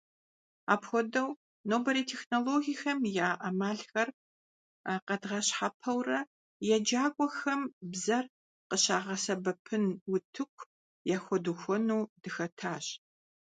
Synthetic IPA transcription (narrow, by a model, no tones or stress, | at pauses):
aːpxʷɔdɐw | noːbɐɾiːtʰexnoloːɣijxɐmjaːʔɐmaːɮxɐr | qɐdʁɐɕħapʰɐwrɐ | jɛd͡ʒaːkʷʼɔxɐmbzɐr | qəɕaːʁɐsɐbɐpʰɨnwʊtʰɨkʷʰ | jaːxʷɔduxʷɔnuːd̥ɨxɐtʰaːɕ